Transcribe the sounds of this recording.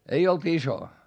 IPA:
ei olt iso

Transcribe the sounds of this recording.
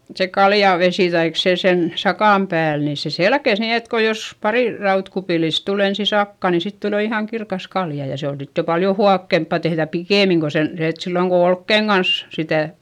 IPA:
se kɑljɑˑʋesiˑ tɑik se sen sɑkɑˑm pæːl niˑ se selkes ni et ko jos pɑriˑ rɑutkupiˑlis tul ensi sɑkːɑˑ ni sit tul jo ihɑˑŋ kirkɑs kɑljɑ jɑ se on sit jo pɑljo huɑkːempɑ tehðæ pikeˑmiŋ ko sen se et silːoŋ ko olkːeiŋ ɡ̊ɑns sitæˑ

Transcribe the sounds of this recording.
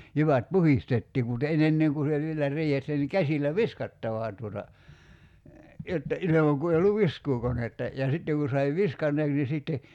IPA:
jyʋæt puhistetːiː mut en enːeŋ ku se ʋielæ riːhesːæ ni kæsilˑæ ʋiskɑtːɑʋɑˑ tuotɑ jotːɑ ilemɑŋ ku ei olːuʋ ʋiskuːkonetːɑ jɑ sitːeŋ ku sɑi ʋiskɑnːeːks ni siˑtːe

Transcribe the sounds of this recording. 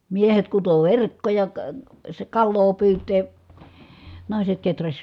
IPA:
miehet kuto ʋerkːojɑ kɑ sĕ kɑlːoː pyːtˑeː nɑˑi̯set ketræsʲ

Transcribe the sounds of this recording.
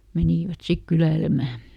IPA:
meniˑʋæt sik kylæilemæ

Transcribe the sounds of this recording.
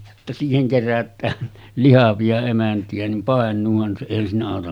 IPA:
jotːɑ siːheŋ kerætˑæːn lihɑʋiɑ emæntiæ nim pɑˑenˑuːhɑn se eˑihæn siːnæ ɑˑotɑm

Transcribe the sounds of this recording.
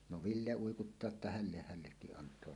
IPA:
no ʋilːe uikutːɑː etːæ hælːeh hælːekːiʔ ʔɑntˑoɑ

